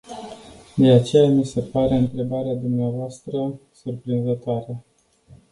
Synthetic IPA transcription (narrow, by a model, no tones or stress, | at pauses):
d̪e̞at͡ʃe̞jamise̞paɾe̞ɨnt̪ɾe̞baɾead̪umneavoast̪ɾəsurpɾinzət̪oaɾə